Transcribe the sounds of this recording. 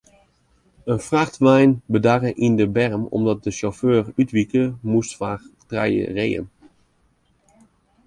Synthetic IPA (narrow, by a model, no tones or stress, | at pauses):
ənfraxtʋɛjnbədarəʔindəbɛrəmɔ̰mdɔt̚dəʃoføːrytʋikəmustfaːtrɛ̰jə̰rejə̰n